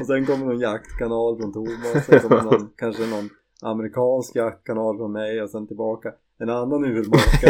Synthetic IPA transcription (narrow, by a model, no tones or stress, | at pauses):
ɔsɛnkɔmːənɔnjak̚t̪kʰanɑːlfɾɔnt̪ʰʊɾmasɛnkɔmːnɔnkʰanʂənɔn | a̰mɛɾɪkʰɑːnskjak̚t̪̚kʰanɑːlfɾɔnmɛjɔsɛnt̪ɪlbɑːka | ɛnanːanʉːəlmɑɾka